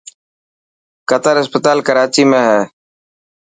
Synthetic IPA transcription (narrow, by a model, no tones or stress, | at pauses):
kət̪əɾɪspət̪aːlkəɾaːt͡ʃiːmẽːɦɛː